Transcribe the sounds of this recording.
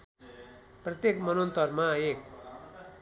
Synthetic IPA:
prʌt̪jekmʌnont̪ʌrmaek̚

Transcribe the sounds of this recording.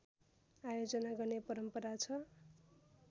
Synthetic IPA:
ajod͡zʌnaɡʌrnepʌɾʌmpʌɾat͡sʰʌ

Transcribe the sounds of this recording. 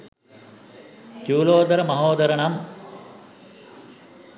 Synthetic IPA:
kjuːloːd̪ɐɾɐmɐɦoːd̪ɐɾɐɳɐm

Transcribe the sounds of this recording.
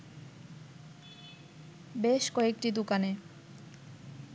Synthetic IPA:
beʃkɔek̚ʈid̪ukane

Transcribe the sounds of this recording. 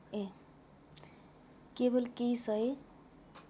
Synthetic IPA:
e | kebolkejsʌe

